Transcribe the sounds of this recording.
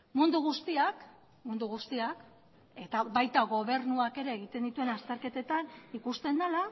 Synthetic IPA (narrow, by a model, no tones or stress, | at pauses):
mund̪uɣ̞ust̪iak | mund̪uɣ̞ust̪iak | e̞t̪aβajt̪aɣo̞β̞e̞ɾnuake̞ɾe̞ːɣ̞it̪e̞nd̪it̪ue̞nast̪e̞ɾke̞t̪e̞t̪anikust̪e̞nd̪ala